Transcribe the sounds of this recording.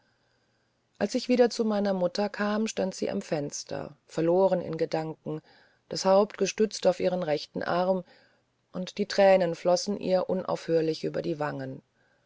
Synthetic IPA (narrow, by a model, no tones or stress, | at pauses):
ʔalsɪçv̥iːdɐt͡sumaɪnɐmʊtɐkʰaːmʃtantz̥ḭːʔa̰mfɛnstʰɐ̰fɛɐloːʁ̞ənɪ̰nɡədaŋkŋ̩ | d̥ashaʊptɡ̥əʃtʏt͡staʊfʔiːʁənʁɛçtn̩ʔaʁm | ʔʊntd̥iːtʁ̥ɛːnənflɔsn̩ʔḭːɐʔʊnʔa̰ʊfhøːɐlɪçʔyːbɐdiːvaŋən